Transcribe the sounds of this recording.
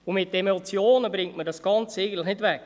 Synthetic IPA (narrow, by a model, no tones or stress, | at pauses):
ʊmɪtːemot͡sjoːnəbɾɪŋtmədɑsɡ̥ɑnt͡seɪɡən̩tləχnɪdʋɛkː